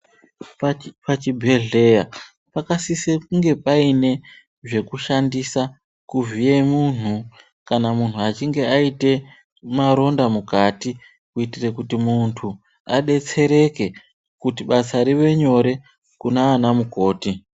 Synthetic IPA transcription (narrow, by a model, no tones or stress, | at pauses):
ppat͡ʃibʱe̞ɮe̞ja | pakasisekuŋɡe̞paine̞ | ʐe̞kuʃandisa | kuvijemun̤u | kanamun̤uat͡ʃiŋɡe̞aite̞ | maɾo̞ndamukati | kuitire̞kutimuntʰu | aɗe̞t͡se̞ɾe̞ke̞ | kutiɓasaɾiʋe̞ɲo̞ɾe̞ | kunaːnamuko̞ːti